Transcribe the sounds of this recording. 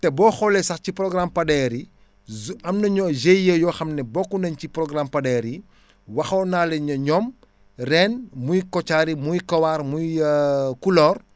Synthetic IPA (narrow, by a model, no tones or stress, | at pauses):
tɛbɔːxɔlɛsɐxciprɔɡrampɐdɛɾi | ɐmnɐɲɔzejːəjɔːxɐmnɛbɔkːunɐɲciprɔɡrampɐdɛːɾi | wɐxɐwnaːlɛɲɐɲɔm | rɛnmujkɔt͡ʃaːɾimujkɐwaːrmujkulɔːr